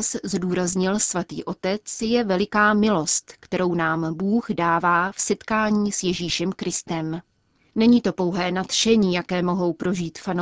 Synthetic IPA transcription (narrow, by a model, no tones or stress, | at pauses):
szduːɾazɲɪlsvat̪ḭːʔo̞t̪ɛt͡sjɛvɛlɪkaːmɪlo̞st̪kt̪ɛɾo̞wnaːmbuːɣdaːvaːfsɛt̪kaːɲiːsjɛʒiːʃɛmkɾɪst̪ɛm | nɛɲiːt̪o̞po̞wɦɛːnat̪ʃɛɲiːjakɛːmo̞ɦo̞wpɾo̞ʒiːt̪fano